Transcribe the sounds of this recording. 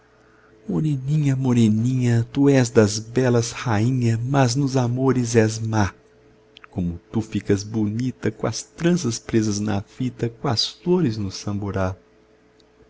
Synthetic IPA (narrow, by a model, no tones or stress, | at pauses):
moɾenĩɲɐmoɾenĩɲɐt̪uɛzd̪ɐzbɛlɐzhaĩɲɐmɐznʊzamoɾɪzɛzma | kõmʊt̪ufikɐzbonit̪ɐkõɐst̪ɾɐ̃sɐspɾezɐznɐfit̪ɐkõɐsfoɾɪznʊsɐ̃mboɾa